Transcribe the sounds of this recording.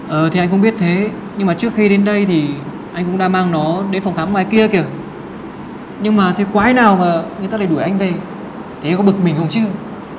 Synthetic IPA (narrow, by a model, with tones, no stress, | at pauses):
ʔəː˨˩t̪ʰi˨˩a˧j̟xə˧wŋ͡mɓi˦˥ət̚t̪ʰe˨˦ | ɲɨ˧ŋmaː˨˩t͡ɕɨ˦˥ək̚xi˧ɗe˨˦nɗə˧jt̪ʰi˨˩ | ʔa˧jŋ̟kʊ̰˧˥ŋ͡mɗaː˧maː˧ŋnɔ˨˦ɗe˨˦nfwŋ͡mxaː˨˦mwaː˨˩jki˧əki˧˩ə | ɲɨ˧ŋmaː˨˩t̪ʰe˨˦kwaː˨˦jnaː˨˩wmaː˨˩ŋɨ˨˩t̪aː˧˥laː˨˩ɗu˧˩jʔa˧jŋ̟ve˨˩ | t̪ʰe˨˦˧kɔ˨˦ɓɨ˨˩k̚mï˨˩ŋ̟hə˧wŋ͡mt͡ɕɨ˧